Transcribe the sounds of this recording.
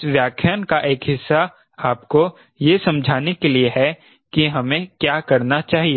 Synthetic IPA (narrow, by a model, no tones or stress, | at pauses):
sʋjaːkʰjaːnkaʔeːkɦɪsːa | aːpko | jesɐ̃md͡ʒʱaːnekelieɦɛ | kiɦɐmẽkjaːkɐɾnat͡ʃaːɦieː